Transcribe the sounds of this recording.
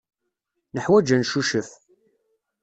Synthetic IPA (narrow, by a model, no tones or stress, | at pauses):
nəħwæd͡ʒænʃuʃəf